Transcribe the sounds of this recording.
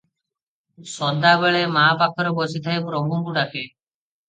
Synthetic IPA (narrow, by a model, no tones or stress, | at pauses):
sɔd̪abeɭemaːpakʰɔɾɔbɔsit̪ʰajpɾɔbʱumkuʈake